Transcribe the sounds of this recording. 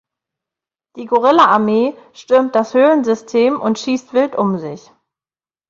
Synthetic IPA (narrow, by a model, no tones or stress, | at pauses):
d̥iːɡoʁɪlaaɐmeːʃtʏɐmt̚d̥ashøːlənzʏstʰeːmʔʊntʃiːstv̥ɪltʔʊmzɪç